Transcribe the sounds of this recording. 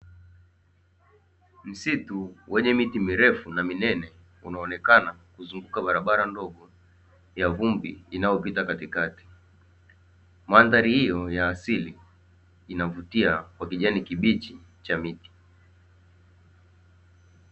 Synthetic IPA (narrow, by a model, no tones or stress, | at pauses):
m̩situwɛɲɛmitimiɾɛfunaminɛnɛ | unaɔnɛkanakuzuŋɡukaɓaɾaɓaɾandɔɠɔ | javumbḭːnajɔpitakatikati̥ | manðaɾihijɔjaːsiliː | navutiakwakiʄanikiɓit͡ʃi | t͡ʃamiti̥